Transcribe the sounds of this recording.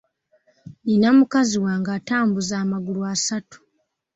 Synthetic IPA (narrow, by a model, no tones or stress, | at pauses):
ninamukaziwaːŋɡaːtaːmbuzaːmaɡuluasatu̥